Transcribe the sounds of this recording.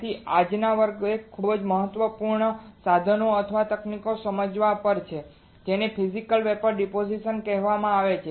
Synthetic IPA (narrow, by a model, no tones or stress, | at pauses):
iad͡ʒnaʋəɾɡekʰːubəd͡ʒməɦət̪ʋəpuɾɳəsad̪ʱənoət̪ʰəʋat̪əknikosəməd͡ʒʋapəɾt͡ʃʰe | d͡ʒenepʰizikəlʋɛpəɾɖipod͡ʒiʃənkɛɦʋamãaʋet͡ʃʰe